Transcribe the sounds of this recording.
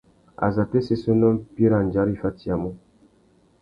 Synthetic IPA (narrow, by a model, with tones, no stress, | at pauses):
a̰˨za˨tɛ˦se˦sɔ˦nɔ˦mpi˦ɾa˨nd͡ʒa˨˦ɾi˦˨fa˦ti˦a˨mɔ˦